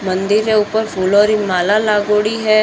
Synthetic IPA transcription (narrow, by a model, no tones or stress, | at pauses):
mɐ̃nd̪ɪɾeʊpəɾfuːloɾimaːlalaːɡoːɽiɦɛː